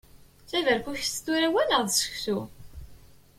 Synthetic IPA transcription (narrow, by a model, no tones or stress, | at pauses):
θævæɾkʷuçθt̪ːuɾæwænəʁðsə̥çθu